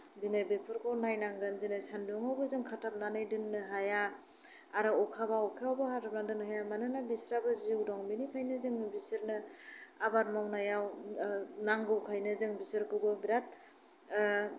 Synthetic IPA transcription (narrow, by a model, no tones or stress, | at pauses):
zinebepʰɯɾkʰɔwnajnaŋɡɯnzinasanduŋawbɯzɯŋkʰatʰap̚nanɯjdɯnːɯɦajaː | ɾɯɔkʰabaɔkʰaawbɯkʰatʰap̚nadɯnɦajamanɯnabisɾabɯziwdɔŋbinikʰajnɯzɯŋɯbisɯɾnɯabat̚mawnajaw | naŋɡɯwkʰajnɯzɯŋbisɯɾkɯwbɯbiɾat̚